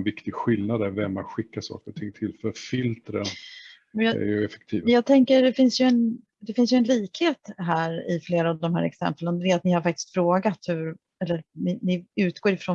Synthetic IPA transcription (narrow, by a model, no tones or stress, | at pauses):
nvɪkt̪ɪɡɧɪlnad̪æɾvɛmat̪ɧɪkːasɑ̰ːkəɾʊt̪ʰɪŋt̪ʰɪlfœɾfɪlt̪ɾən | mjɑæ̰ɾjɵɛfɛ̥k̚t̪ʰiːvjɑːɡ̚t̪ʰɛŋkəɖɛfɪnsjɵɛn | d̪ɛfɪnsjɵɛnliːkheːt̪ɦæːɾɪfleːɾaːvd̪ɔmɦæ̰ːɾɛ̰ksɛ̰mpələnd̪ɛɛɾat̪̚nɪhaɾfak̚t̪ɪ̥skt̪fɾoːɡat̪hɵɾ | ɛlːəɾnɪnɪʉ̟ːt̪ɡ̥oːɾɪfɾɔn